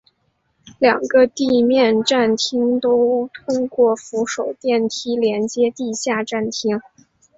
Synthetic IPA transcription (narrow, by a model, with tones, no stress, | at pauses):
ljɑ˨˩ŋɡə˦t̪i˥˧mjɛ˥˧nʈ͡ʂa˥˩nt̪ʰi˥ŋt̪o˥ʊt̪ʰʊ˥ŋkwɔ˥˩fu˧˥ʂo˨˩ʊt̪jɛ˥˩nt̪ʰi˥ljɛ˧˥nt͡ɕjɛ˥t̪i˥˧ɕja˥˧ʈ͡ʂa˥˩nt̪ʰi˥ŋ